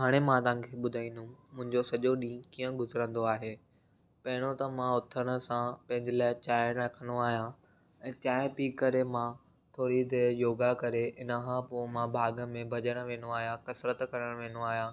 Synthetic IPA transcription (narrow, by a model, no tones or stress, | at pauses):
ɦaːɽ̃emãt̪ãːkʰeɓʊd̪ʱaːĩːn̆d̪umʊ̃ɦɪ̃ɲd͡ʑosɐʄoɗĩːkiːə̃ɡʊzɾə̃nd̪oaːɦeː | pɐɦɪɽ̃ot̪ɐmãʊt̪ʰəɽ̃ə̆sãpɐ̃ɦɪ̃ɲd͡ʑɪlaːɪt͡ɕaːjəɽ̃ɐkʰənoaːɦijã | ɛ̃ːt̪aːɪpiːkːɐɾemã | t̪ʰoːɾid̪ejoːɡakɐɾeɪnəkʰãpomãbʱaːɡə̆mẽbʱɐʄəɽ̃ə̆ʋẽːnoaːɦijãkɐsɾət̪kɐɾəɽ̃ʋẽːnoaːɦijãː